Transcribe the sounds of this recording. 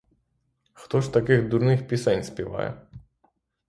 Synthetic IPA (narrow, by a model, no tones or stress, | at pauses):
xt̪ɔʂt̪akʲiɣd̪uɾnɨxpʲisɛɲʲsʲpʲjɛva̰jɛ̰